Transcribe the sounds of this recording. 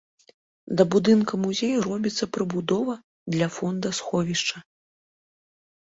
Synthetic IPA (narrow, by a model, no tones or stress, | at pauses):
d̪ɐbud̪ɨnkɐmuzʲejɐrɔbʲit̪sːɐpɾɨbud̪ɔvɐ | d̪lʲɐfɔnd̪ɐsxɔvʲiʂt͡ʂɐ